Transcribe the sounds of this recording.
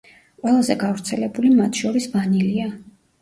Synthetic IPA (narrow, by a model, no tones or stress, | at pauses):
qʼwɛlˠazɛɡavɾt̪sʰɛlɛbulimat̪ʰʃɔɾisbanilia